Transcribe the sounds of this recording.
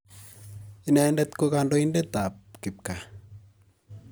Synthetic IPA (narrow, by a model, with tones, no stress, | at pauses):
i˨nɛ˨ndɛt̪koka˧ndo˦inde˦t̪a˨p̚ki˨p̚ka˨